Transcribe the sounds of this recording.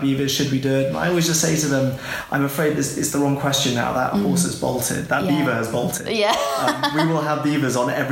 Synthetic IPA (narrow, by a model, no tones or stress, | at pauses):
bivəz̥ʃɨd̚bidɜdə̃na̰ɪɔlˠwɪzd͡ʒʌstseɪtəðə̃mʔã̰ɪ̃məfɹeɪd̪̚ðɪsɪtsðəɹɒ̃ŋkʰw̥ɛst͡ʃɨ̃nːa̰ʊðə̰ʔhɔˑsəzbɒ̰ʊlˠtʰɪ̰d̚ðəʔb̥iːvəːzbɒʊlˠtʰɪ̰dʌ̃mwwɪlˠəvbiːvəzn̩ɛvɹ